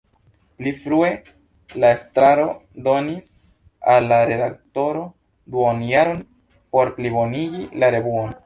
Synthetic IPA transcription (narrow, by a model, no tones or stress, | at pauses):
plifɾue̞ | lae̞stɾaɾodo̞nis | alːaɾe̞dakto̞ɾo̞ | duonjaɾo̞n | po̞ɾplibo̞niɡilaɾe̞buon